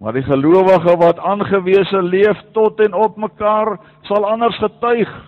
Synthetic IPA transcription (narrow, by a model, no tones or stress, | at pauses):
mɐ̰rdiχəluəvəχəvɐtɑːnχəviəsəliəftɔtɛnɔp̚məkɑːr | sɐlˠɐnərsχətœɥχ